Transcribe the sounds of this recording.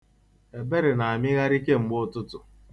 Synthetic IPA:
e˨be˦ɾɪ˨na˨a˨mɪ˦ɣa˦ɾi˦ke˦ŋ͡m̩˨˦ɡ͡bʊ˦tʊ˦tʊ˨

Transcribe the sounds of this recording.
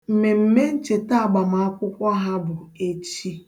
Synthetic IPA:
m̩˨me˨m̩˨me˦n̩˦t͡ʃe˨ta˦a˨ɡ͡ba˨ma˨a˦kʷʊ˦kʷɔ˦ɦa˦bʊ˨e˦t͡ʃi˦

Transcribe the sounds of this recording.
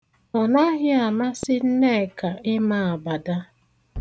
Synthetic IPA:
ɔ˨na˦ɣɪ˦a˨ma˦sɪ˦n̩˦ne˦˨ka˨ʔɪ˦ma˨a˨ba˨da˦

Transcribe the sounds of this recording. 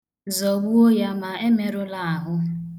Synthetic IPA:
zɔ˨bu˦o˦ja˦ma˨e˦me˦ɾʊ˦la˦˨ɦʊ˦

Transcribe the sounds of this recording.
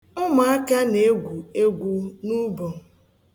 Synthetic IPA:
ʊ˦ma˨a˦ka˦ne˨e˦ɡʷu˨e˦ɡʷu˨nu˦bo˨

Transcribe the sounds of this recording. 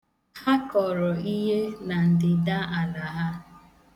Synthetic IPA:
ha˦kɔ˨ɾɔ˨i˦ɦe˦na˨n̩˨dɪ˨da˦a˨na˨ɦa˦

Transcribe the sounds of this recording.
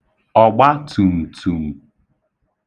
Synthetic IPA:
ɔ˨ɡ͡ba˦tu˨m̩˨tʰu˨m̩˨

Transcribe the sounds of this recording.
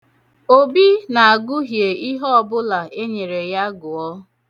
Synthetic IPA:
o˦bi˦na˨a˨ɡʊ˦ɦje˨i˦ɦɔ˦ɔ˨bʊ˦la˨ʔe˦ɲe˨ɾe˨ja˦ɡʊ˨ɔ˦

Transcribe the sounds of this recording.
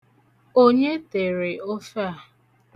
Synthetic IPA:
o˦ɲe˦te˨ɾe˨o˦fa˦˨

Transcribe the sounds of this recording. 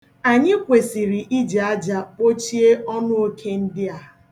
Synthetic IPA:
a˨ɲɪ˦kʷe˨si˨ɾi˨ʔi˦d͡ʒe˨a˦d͡ʒa˨o˦t͡ʃi˦e˦ɔ˦nʊ˦o˦kʰe˦n̩˦dɪ˦a˨

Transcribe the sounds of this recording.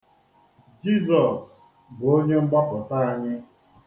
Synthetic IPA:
d͡ʒi˦zɔ˨s | bo˦ɲe˦ŋ͡m̩˦ɡ͡ba˦pɔ˨ta˦a˦ɲɪ˦

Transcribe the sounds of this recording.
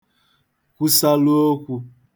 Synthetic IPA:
kʷu˦sa˦lu˦o˦kʷu˦

